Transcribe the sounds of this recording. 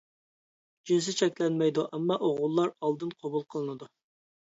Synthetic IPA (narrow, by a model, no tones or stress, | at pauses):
d͡ʒins̬ɪt͡ʃʰɛkʲlɛnmɛjd̪uʔɛmːɑʔoʁʊlˠːɑɾɑlˠd̪ɨnqʰɑbulˠqʰəlˠɨnɨd̪u